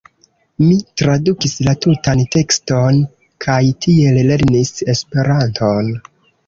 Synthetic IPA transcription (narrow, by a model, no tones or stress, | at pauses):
mitɾadukislatutante̞kston | kʰajtʰie̞lle̞ɾnise̞spe̞ɾantʰo̞n